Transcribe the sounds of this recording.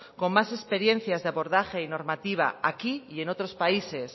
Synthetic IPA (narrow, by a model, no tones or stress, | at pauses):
ko̞mmase̞spe̞ɾje̞n̟θjazðeaβo̞ɾðaxe̞ino̞ɾmat̪iβ̞a̰akiie̞no̞t̪ɾo̞spaise̞s